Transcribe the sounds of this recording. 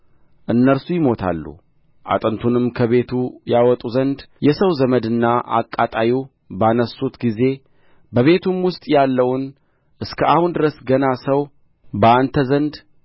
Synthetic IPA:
ʔɨnːəɾsujɪmo̞t̪ʰa̰lːṵ | ʔa̰t̪ʼənt̪ʰunɨmkʰəβe̞t̪ʰujawɔt̪ʼuzənd̪jɛsəwzəməd̪ɨnːaʔa̰kʼːat̪ʼaji | banəsut̪ɡize̞ | bəβe̞t̪ʰumwʊst̪ʼjalːəwʊn | ʔɨskʰəahund̪ɨɾəsɡənasəw | bəant̪ʰəzənd̪

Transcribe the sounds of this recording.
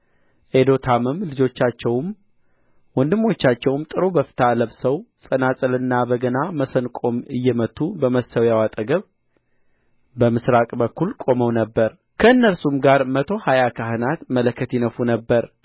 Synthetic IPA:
ʔed̪o̞t̪ʰamɨmlɨd͡ʒo̞t͡ʃːat͡ʃːɛwm | wɔnd̪ɨmːo̞t͡ʃːat͡ʃːɛwmt̪ʼɨɾobəfɨ̥t̪ʰaləβsəwsʼənasʼəlɨnːabəɡənaməsənkʼo̞mɨjːɛmət̪ːubəməsəwjawat̪ʼəɡəβ | bəmɨsɾakʼbəkʰːulkʼo̞məwnəbːəɾ | kʰəɨnːəlsumɡaɾmət̪ʰo̞hajakʰaɦɨnat̪mələkʰːət̪jɪnəfunəbːəɾ

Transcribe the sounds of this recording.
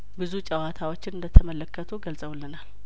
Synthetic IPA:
bɨzut͡ʃʼəwat̪ʰawot͡ʃːɪnɨnd̪ət̪ʰəmələkːət̪ʰuɡəlsʼəwlːənal

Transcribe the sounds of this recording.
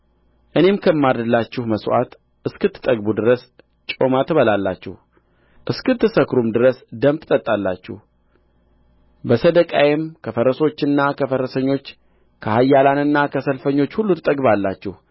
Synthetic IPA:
ʔɨne̞mkʰəmːadd̪ɨlːat͡ʃːɪhməsʔa̰t̪ | ʔɨskɨt̪ʰːɨ̥t̪ʼəɡ̚bud̪ɨɾəs | t͡ʃʼo̞mat̪ʰɨβəlalːa̰t͡ʃːɛ̰h | ʔɨskɨt̪ːɨsəkɾumd̪ɨɾəsd̪əmt̪ʰɨt̪ʼət̪ʼːalːa̰t͡ʃːɛ̰h | bəsəd̪əkʼajɛmkʰəfəɾəso̞t͡ʃːɨnːakʰəfəɾəsəɲːo̞t͡ʃː | kʰəhajːalanɨnːakʰəsəlfəɲːo̞t͡ʃːhulːut̪ʰɨt̪ʼəɡβalːat͡ʃːɛh

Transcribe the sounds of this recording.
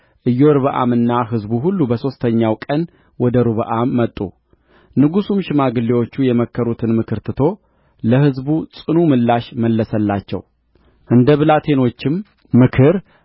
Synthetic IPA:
ʔɨjːoɾɨβəʔa̰mɨnːaɦɨzbuɦulːubəso̞st̪ʰəɲːawkʼən | wɔd̪əɾɨβəʔamːət̪ʼːṵ | nɨɡusumʃɪmaɡɨlːewo̞t͡ʃːujɛməkʰːəɾut̪ʰɨnmɨkʰɨɾt̪ʰɨt̪ʰo̞ | ləhɨzbut͡sʼɨnumɨlːaʃməlːəsəlːat͡ʃːɛ̰w | ʔɨnd̪əβɨlat̪ʰe̞no̞t͡ʃːɪm | mɨkʰɨɾ

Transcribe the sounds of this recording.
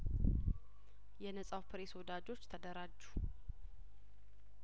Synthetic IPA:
jɛnəsʼawpʰɾeswɔd̪ad͡ʒo̞t͡ʃːt̪ʰəd̪əɾad͡ʒːu̥

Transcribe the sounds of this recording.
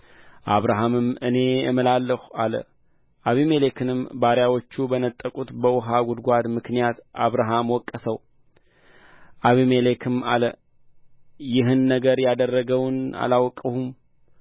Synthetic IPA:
ʔaβɾaɦamɨmɨne̞jə̰mɨlalːəhualə̰ | ʔaβimelekʰɨnɨmbaɾjawo̞t͡ʃːubənət̪ʼːəkʼut̪bəwʊɦaɡud̪ɡʷad̪mɨknijat̪ʔaβɾaɦamwɔkʼːəsəw | ʔaβimelekʰɨma̰lə | jɪɦɨnːəɡəɾjad̪ərːəɡəwna̰lawkʼːəhum

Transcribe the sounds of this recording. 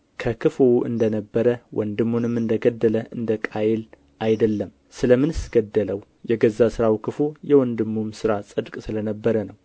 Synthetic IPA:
kʰəkʰɨfoʔɨ̰nd̪ənəbːəɾəwʔɔnd̪ɨmːunɨmːɨnd̪əɡəd̪ːələʔɨnd̪əkʼajɪl | ʔajd̪əlːəm | sɨləmɨnɨsɡ̥əd̪ːələw | jɛɡəzːasɨɾawkʰɨfojɛwɔnd̪ɨmːumsɨɾasʼɨd̪kʼsɨlənəbːəɾənəw

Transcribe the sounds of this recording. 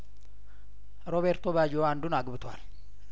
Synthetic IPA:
ɾoβeɾt̪oβad͡ʒoand̪unaɡbɨt̪ʰa̰l

